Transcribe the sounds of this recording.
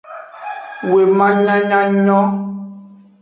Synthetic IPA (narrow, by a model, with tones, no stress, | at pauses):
we˨mã˦ɲã˦ɲã˦ɲɔ̃˦